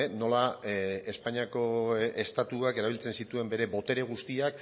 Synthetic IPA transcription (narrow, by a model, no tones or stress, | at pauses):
no̞lae̞spaɲiako̞e̞st̪at̪uake̞ɾaβilt͡se̞nsit̪ue̞mbe̞ɾe̞bo̞t̪e̞ɾe̞ɣ̞ust̪iak̚